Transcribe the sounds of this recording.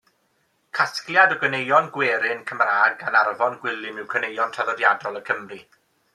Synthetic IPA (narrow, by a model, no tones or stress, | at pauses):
kʰaskljadɔɡənejɔnɡwɛːɾɪnkʰəmraːɡanarvɔnɡwɪlˠɪmɪwkʰənejɔntʰaðɔdjadɔlˠəkʰəmri